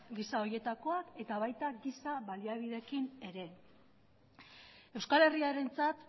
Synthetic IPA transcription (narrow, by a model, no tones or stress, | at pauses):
ɡisao̞je̞t̪ako̞ake̞t̪aβajt̪aɡisaβaliaβ̞iðe̞kine̞ɾe̞ | e̞wskale̞riaɾe̞nt͡sat̪